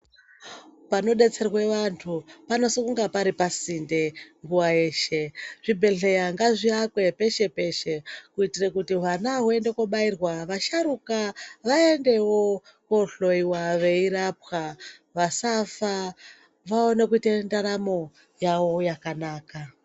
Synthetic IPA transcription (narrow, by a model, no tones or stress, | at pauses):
pano̞ɗe̞t͡se̞rwe̞ʋantʰupano̞sikuŋɡapaɾipasinde̞ŋɡuwaeːʃe̞ʐ̥ibʱe̞ɮe̞jaŋɡaʐiakwe̞pe̞ʃe̞pe̞ʃe̞kuitirekutiɦanaɦue̞nde̞koɓairwaʋaʃaɾukaʋaende̞wo | koɬo̞iwaʋe̞iɾap̚xaʋasafa | ʋao̞nekuitendaɾamo̞ | jawo̞jakanaːka